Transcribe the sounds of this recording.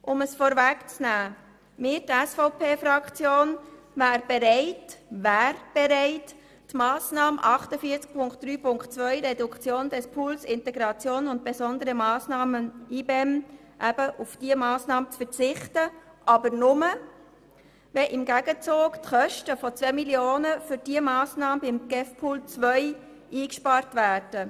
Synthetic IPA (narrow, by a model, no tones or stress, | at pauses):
ʔʊməsfɔɾvækt͡snæː | mɪːɾtæsfɔʊpʰeːfɾɑkt͡sjoːn | ʋæːɾb̥eɾɛɪtʋæːɾb̥eɾɛɪt | tmɑːsnɑːmʔɑχtəfiːt͡sk̚pʰʊŋkt̚d̥ɾyːpʊŋktt͡sʋœʏɾɛdʊkt͡sjoːnd̥ɛspʰuːlsɪntɛɡɾɑt͡sjoːnʊnt̚b̥ezɔnd̪əɾəmɑːsnɑːməniːbɛm | ʔæb̥əʔʊfd̥iəmɑːsnɑːmət͡sfəɾt͡sɪχtə | ʔɑbəɾnʊmə | vɛʔɪmɡæɡət͡soːɡtχœʃtəfɔt͡svɛmiljoːnəfʏɾd̥iəmɑːsnɑːməbɪmɡ̥ɛfpʰuːlt͡sʋœʏ | ʔiːkʃpɑːɾtvæːɾd̥ə